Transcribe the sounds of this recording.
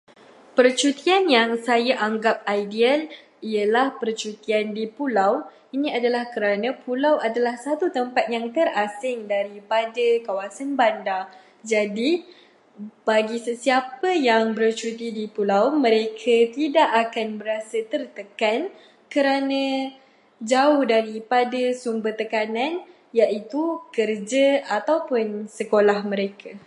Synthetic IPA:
pərt͡ʃut̪ianjaŋsajaʔaŋɡap̚ajdial | iəlahpərt͡ʃut̪iandipulaw | inĩadalahkəɾanãpulawadalahsat̪ut̪əmpat̪̚jaŋt̪ərasɪŋdaɾipadəkawasanbanda | d͡ʒadi | b̥aɡisəsiapəjaŋbərt͡ʃut̪idipulawmə̃ɾekʰat̪idaʔakanbəɾasət̪ərt̪əkan | kəɾanə̃ | d͡ʒaʊhdaɾipadəsumbərt̪əkanãn | jaʔit̪ukərd͡ʒəat̪awpʊnsəkolahmə̃ɾekʰa

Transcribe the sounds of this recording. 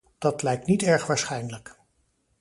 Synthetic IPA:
d̥ɑtlɛjk̚tnitɛɹχʋaːɹsχɛjnələk

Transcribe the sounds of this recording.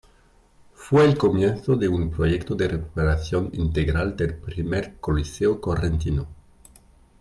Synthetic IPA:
fweːlkomjenθoðeumpɾojekt̪od̪ereku̥peɾaθjonint̪eɣɾald̪elpɾimeɾkoliseokorent̪ino

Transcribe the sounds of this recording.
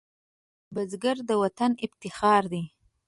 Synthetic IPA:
bazɡaɾd̪əwat̪anɪbt̪ɪxɑɾd̪i

